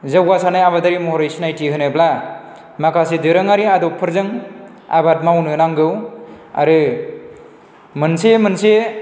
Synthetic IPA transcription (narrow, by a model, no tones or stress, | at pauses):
zawɡasanajaβadaɾimɔhɔɾajsinajtʰiɦɯnɯbla | makasedɯɾɯŋaɾiadɔpʰɯɾzɯŋ | a̰bat̚mawnɯnaŋɡɯwa̰ɾɯ | mɯnsemɯnse